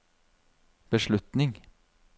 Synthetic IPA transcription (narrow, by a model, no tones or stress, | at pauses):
b̥əʃɭʉt̪nɪŋ